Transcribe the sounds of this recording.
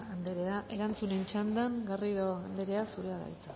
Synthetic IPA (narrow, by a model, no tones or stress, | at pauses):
and̪eɾeaʔe̞ɾant͡sunent͡ʃand̪aŋɡariðoand̪e̞ɾe̞asuɾeaɣa̰jt͡sḁ